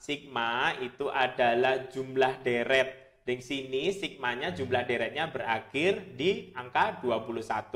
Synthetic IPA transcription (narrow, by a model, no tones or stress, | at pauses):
sik̚mait̪uʔadalahd͡ʒumlahdeɾɛt̪̚ | dɛŋsinisik̚maɲad͡ʒumlahdeɾɛt̪̚ɲabəɾakɪrdiaŋkaduapuluhsat̪u